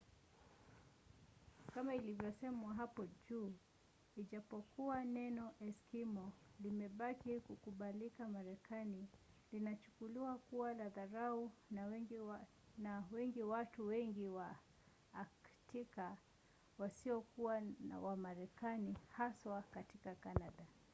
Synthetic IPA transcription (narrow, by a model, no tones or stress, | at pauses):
kamailivjɔsɛmwaɦapɔʄuː | iʄapɔkuwanɛnɔʔɛskimɔlimɛɓakikukuɓalikamaɾɛkʰani | linat͡ʃu̥kuliwakuwalaðaɾaun | nawɛŋɡiwatuwɛŋɡiwaː | ktʰika | wasiɔkuwana̰wamaɾɛkanihaswakatikakanaɗa